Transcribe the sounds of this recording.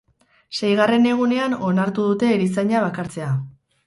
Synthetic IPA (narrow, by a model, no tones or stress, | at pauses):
se̞jɣare̞ne̞ɣ̞une̞ano̞naɾt̪uðut̪e̞ːɾisajɲaβ̞akaɾt͡se̞a